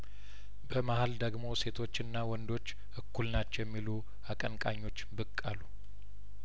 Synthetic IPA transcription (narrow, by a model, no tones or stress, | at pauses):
bəmahald̪əɡmo̞se̞t̪ʰo̞t͡ʃːɨnːawɔnd̪o̞t͡ʃː | ʔɨkːulnat͡ʃːɛwjɛmːilu | akʼənkʼaɲːo̞t͡ʃːbɨkʼːalːu